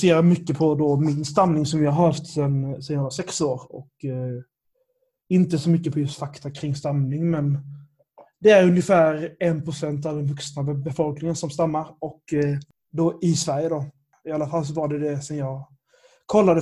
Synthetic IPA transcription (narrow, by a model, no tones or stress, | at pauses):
seːɾadmʏkːəpʰɔd̪ɔmɪnst̪amnɪŋsɔmjɪhaɾhaft̪sɛnsɛnjɑavasɛksoːɾɔ̰k | ɪnt̪əsɔmʏkːəpʰɔjɵst̪fakt̪akʰɾɪŋːst̪amnɪŋmɛn | d̪ɛæɾɵnjəfæːɾɛnpʰɾʊsɛnt̪̬avd̪ɛnvɵksnabbɛfɔlknɪŋənsɔmst̪amːaɾɔk | d̪ɔɪsvæɾjəd̪ɔ | ɪalːafalːs̬ɔvaɖɛd̪ɛsɛnjɑːɡ | kʰɔlːad̪ə